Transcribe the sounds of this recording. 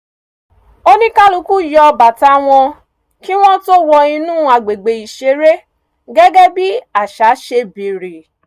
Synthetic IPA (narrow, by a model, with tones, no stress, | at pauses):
o˦nĩ˦kã˦lũ˨˦ku˦jɔ˧ba˨ta˨˦w̃ɔ̃˧ | ki˦w̃ɔ̃˦to˦wɔ˧ĩ˧nũ˦a˨ɡ͡be˨ɡ͡be˨i˨ʃe˧˦ɾe˦ | ɡɛ˦ɡɛ˦bi˦a˨ʃa˨˦ʃe˧bi˨ɾi˨